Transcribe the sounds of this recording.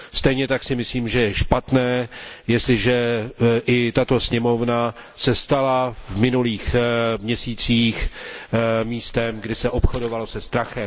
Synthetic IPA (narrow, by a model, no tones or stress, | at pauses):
st̪ɛjɲɛt̪aksɪmɪsliːmʒɛjɛʃpat̪nɛːjɛst̪lɪʒɛʔɪt̪at̪o̞sɲɛmo̞vna | sɛst̪alavvmɪnuliːxmɲɛsiːt͡siːx | miːst̪ɛmɡdɪsɛʔo̞pxo̞do̞valo̞sɛst̪ɾaxɛm